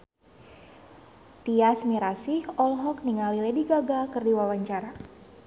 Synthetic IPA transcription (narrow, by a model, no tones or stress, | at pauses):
t̪iasmiɾasihɔlɦɔk̚niŋalilɛdiɡaɡakɨrdiwawaɲt͡ʃaɾa